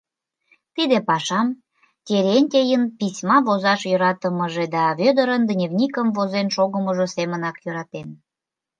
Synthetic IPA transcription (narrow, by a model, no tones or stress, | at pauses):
t̪id̪epɑʃɑm | kʲeɾʲenʲt̪ʲejənpisʲmɑβozɑʃjøɾɑt̪əməʒed̪ɑβød̪əɾənd̪nʲevnʲikəmvozenʃoɣəməʒosemənɑkjøɾɑt̪en